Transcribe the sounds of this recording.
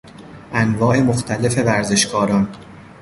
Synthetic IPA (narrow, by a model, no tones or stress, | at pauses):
ʔænvɒːʔe̞moxt̪ʰæle̞fe̞væɾze̞ʃkʰɒːɾɒːn